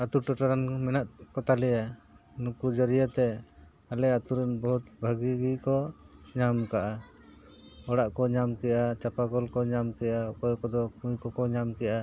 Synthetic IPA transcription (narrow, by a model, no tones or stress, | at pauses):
at̪uɾʈɔʈaɾanmɛnaʔ̪̚kɔt̪alɛja | nukud͡ʒəɾijat̪ɛ | alɛat̪uɾɛnbɔɦut̪bʱaɡiɡikɔɲamkaʔa | ɔɽaʔkɔɲamkɛʔat͡ʃapaɡɔlkɔɲamkɛjaɔkɔjkɔd̪ɔkujkɔkɔɲamkɛjʔa